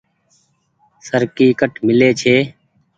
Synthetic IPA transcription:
səɾkiːkəʈmɪleːt͡ʃʰeː

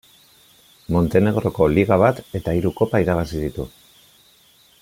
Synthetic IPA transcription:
mo̞nt̪e̞ne̞ɣ̞ɾo̞ko̞liɣ̞aβ̞at̪e̞t̪aiɾuko̞paiɾaβ̞asiðit̪ṵ

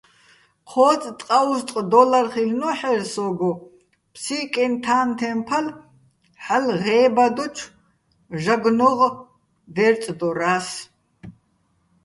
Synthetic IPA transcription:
qʰɔːt͡sʼt̪ʼqʼaust̪ʼqʼd̪ɔlaɾχilnɔħɛɾsɔɡɔ | pʰsikʼɛnt̪ʰaːnt̪ʰɛmpʰal | ħalʁɛːbad̪ɔt͡ʃʰ | ʒaɡnɔʁ | d̪ɛɾt͡sʼd̪ɔɾaːs

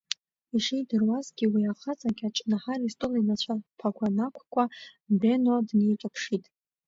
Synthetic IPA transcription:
iʂijdɨrwazɡʲiwiaχat͡sʼaɡʲat͡ʃʼnaħaristʼɨlinat͡ɕʷʰapʰaɡʷanakʷʰkʷʰʼabenodnejt͡ʃʷʼapʰʂitʼ

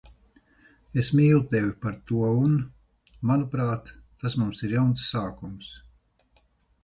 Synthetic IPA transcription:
esmiːlˠut̪evʲipaɾt̪uɔun | manupɾaːt̪ː | asmumsiɾjawnsːaːkums

